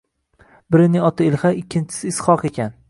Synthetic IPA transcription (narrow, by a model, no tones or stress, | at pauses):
bɪɾɪnɪŋɒt̪ʰaɪlˠχaɪkʲʰːɪnt͡ʃʰɪ̥sɪːsχɒqekʲʰan